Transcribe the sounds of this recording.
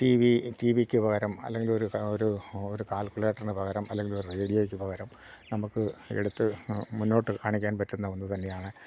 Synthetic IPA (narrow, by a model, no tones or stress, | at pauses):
tiːʋitiːʋikʲːɨpɐɣɐɾɐmɐ̰lːe̞ŋɡilo̞ɾuoɾuoɾukaːlkuɭeːʈːɐrnɨpɐɣɐɾɐmɐlːe̞ŋɡiloɾurejɐlijoːɡikʲːɨpɐɣɐɾɐm | nɐmukːɨḛɽut̪ːɨmunːo̞ːʈːɨkaːɳikʲːaːnpɐtːunːɐʋonːuɨt̪ɐnːe̞jaːɳɨ